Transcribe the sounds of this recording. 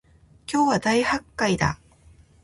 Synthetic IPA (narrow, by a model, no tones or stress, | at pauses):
kʲo̞ːβad̪aihakːaid̪a̰